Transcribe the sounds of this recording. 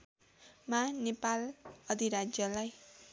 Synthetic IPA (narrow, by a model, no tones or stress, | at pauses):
manepalʌd̪ʱiɾad͡zjʌlaj